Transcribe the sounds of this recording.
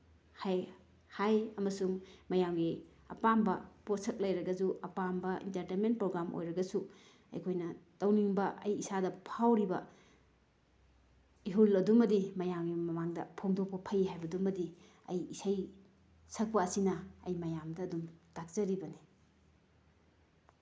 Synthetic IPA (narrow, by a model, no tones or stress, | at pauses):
haj | hajɐmɐsuŋmɐjamɡi | ɐ̰pambɐpotsʰɐk̚lɐjɾɐɡɐzuʔɐpambɐḭntɐɾtenment̚pɾoɡɾamʔo̰jɾɐɡɐsu | ɐ̰jkʰojnɐtɐwniŋbɐʔɐjisadɐpʰawɾibɐ | iɦulɐdumɐdimɐjamɡimɐmaŋdɐ̰pʰoŋdok̚pɐpʰɐjɦajbɐdumːɐdi | ɐ̰jːsaj | sʰɐk̚pɐːsinɐɐjmɐjamdɐːdumd̥ak̚zɐɾibɐni